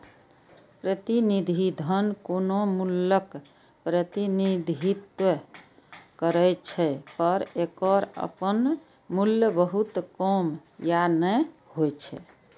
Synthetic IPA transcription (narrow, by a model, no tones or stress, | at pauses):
pɾət̪inid̪ʱid̪ʱənkonomulək | pɾət̪inid̪ʱit̪wə | kəɾəjt͡ʃʰɛpəɾekəɾə̰pən | muljəbəɦut̪kɔmjanɛhojt͡ʃʰɛ̰